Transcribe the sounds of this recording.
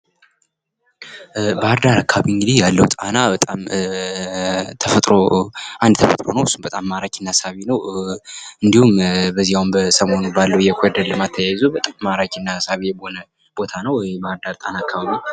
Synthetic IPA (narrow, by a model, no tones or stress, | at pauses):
bəhaɾd̪aɾakʰːaaβiɨŋɡɨd̪ijalːəwt̪ʼanabət̪ʼam | t̪ʰəfət̪ʼɾoʔand̪t̪ʰəfət̪ʼɾo̞̰nəwɨsːunbət̪ʼamːaɾakinːasaβinəw | ɨnd̪ihumbəzijawumbəsəmo̞nbalːəwjɛkʰed̪ələmat̪ʰːəjajzobət̪ʼamːaɾat͡ʃʼinːasaβijɛbonə | b̥o̞t̪ʰanəwbəhɾd̪aɾt̪ʼanaːkʰːaβaβi